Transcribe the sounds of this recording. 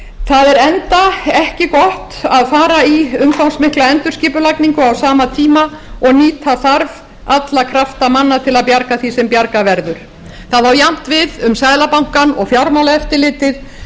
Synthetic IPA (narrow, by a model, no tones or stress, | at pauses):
θaðɛɾɛnt̪aɛhcɪkɔht̪aðfaːɾaiʏmkʰawnsmɪhklaɛnt̪ʏɾsciːpʏlajkniŋkʏawsaːmat̪ʰiːmaɔɣniːt̪ʰaθaɾv | at̪lakʰɾaft̪amanːat̪ʰɪlaðpjaɾkaθisɛmpjaɾkavɛɾðʏɾ̥ | θaðawjam̥t̪vɪðʏmsajðlapawŋ̥kanɔɣfjawɾmalaɛft̪ɪlɪːt̪ɪð